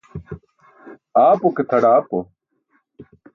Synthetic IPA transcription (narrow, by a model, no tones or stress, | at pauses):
aːpoket̪ʰɐɽaːpo